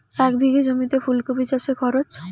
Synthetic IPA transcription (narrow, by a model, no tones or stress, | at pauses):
ɛkbʱiɡed͡ʑomit̪epʰulkobit͡ɕaʃekʰɔɾot͡ɕ